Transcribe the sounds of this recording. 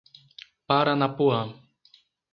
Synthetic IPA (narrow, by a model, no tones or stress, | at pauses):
paɾanapua